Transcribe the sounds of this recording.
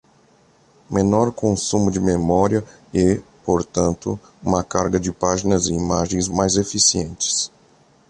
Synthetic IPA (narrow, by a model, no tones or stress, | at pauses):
menɔɾkõsũmʊd͡ʒɪmemɔɾiɐ | ɛpoɾt̪ɐ̃nt̪ʊ | ũmɐkaɾɡɐd͡ʒɪpaʒinɐzɪimaʒẽj̃zmajzefisiẽnt͡ʃɪ̥s